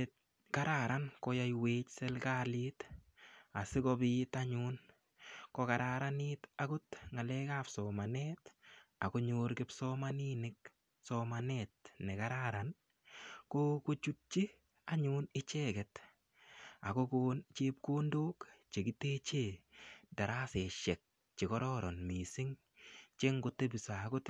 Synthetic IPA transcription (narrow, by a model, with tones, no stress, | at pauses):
t | ka˦ɾaɾankɔ˦ja˦jweː˦t͡ʃsɛ˦lka˦lɪt | a˨sɪ˦kɔbɪtaɲun | kɔka˨ɾaɾanɪta˨kʊ˦tŋa˨lɛkafsɔ˨manɛːta˨ko˦ɲoːɾkɪ˦psɔmaninɪk̚ | sɔmanɛːt̚ne˨ka˦ɾaɾan | ko˦ko˦t͡ʃu˦t̚t͡ʃi˦ | a˦ɲunɪ˦t͡ʃɛ˦kɛ˨t | a˨ko˦koːnt͡ʃe˦p̚koː˦ndoː˦kt͡ʃe˨ɡɪ˦te˦t͡ʃe˨da˨ɾa˦sɛ˨ʃɛ˨k̚ | t͡ʃɪ˨kɔ˦ɾɔɾɔ˨nmi˨sɪ˦ŋ | t͡ʃe˦ŋɡo˨te˦bi˨sa˨kʊ˦t